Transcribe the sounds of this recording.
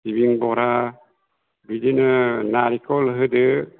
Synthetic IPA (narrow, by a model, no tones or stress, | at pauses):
iβiŋbɔɾa | bidinənaɾikɔləɦɯdɯ